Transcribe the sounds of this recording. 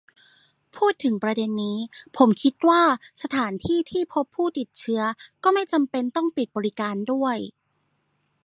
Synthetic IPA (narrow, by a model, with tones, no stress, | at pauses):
pʰuː˥˩t̪ʰːɯ˨˩˦ŋpɾa˧de˧nːiː˦˥pʰo˩˦mkʰi˦˥t̪̚waː˥˩sa˧t̪ʰaː˩˦nt̪ʰiː˥˩t̪ʰiː˥˩pʰo˦˥pʰːuː˥˩t̪i˨˩t̪̚t͡ɕʰɯ˦˥ɐkɔː˥˩ma˥˩jt͡ɕa˧mpe˧nt̪ɔ˥˩ŋpi˨˩t̪̚bɔː˧ɾi˦˥kaː˧ndu˥˩əj